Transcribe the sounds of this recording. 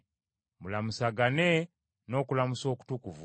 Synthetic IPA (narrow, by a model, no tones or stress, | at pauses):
mulamusaɡane | no̞ːkulamuso̞ːku̥tukuvu